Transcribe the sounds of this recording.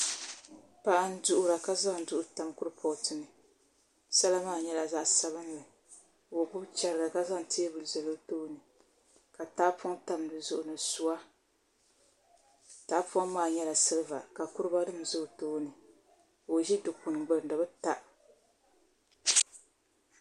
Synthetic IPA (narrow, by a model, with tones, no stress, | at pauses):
pa˦ʔa˦n˦dʊ˨ʔʊ˦ɾa˨ka˦za˦n̩˨dʊ˦ʔʊ˦ta˨mkʊ˦ɾɨ˦pʰɔ˨tɨ˨nɨ˨ | sa˦la˦maː˦˨ɲɛ˦la˨zaː˦˨sa˦βɨ˦n˦lɨ˨ | wo˨bʊ˦bt͡ʃɛ˨ɾɨ˨ɡa˨ka˦za˦ŋ˨ti˦bɨ˨zɛ˨lo˦toː˦nɨ˨ | ka˨taː˦pɔ˦ta˨mdɨ˨zʊ˨ʔʊ˨nɨ˨su˦wa˦ | ta˨˦pʊ˦a˦maː˦˨ɲɛ˦la˨sɨ˦lɨ˦va̰˨ka˨kʊ˦ɾɨ˦ba˦dɨ˦m˨zʊ˦˨toː˦nɨ˨ | wo˨ʒi˦dʊ˨ku˨n˨ɡ͡bɛ˨dɨ˨bɨ˦ta˦˨ʔ